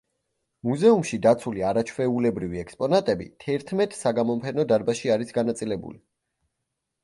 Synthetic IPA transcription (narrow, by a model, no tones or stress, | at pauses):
muzɛumʃid̪at̪sʰuliaɾat͡ʃʰvɛulɛbɾiviɛkspʼɔnat̪ʼɛbḭt̪ʰɛɾt̪ʰmɛt̪ʼsaɡamɔmpʰɛnɔd̪aɾbaʃiaɾisɡanat̪sʼilɛbṵli